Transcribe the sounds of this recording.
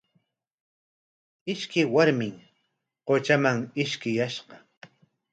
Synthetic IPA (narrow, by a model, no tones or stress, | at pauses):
ɪʃkɪjwaɾmɪŋ | qot͡ʃamaŋɪʃkɪjaʃɢɑ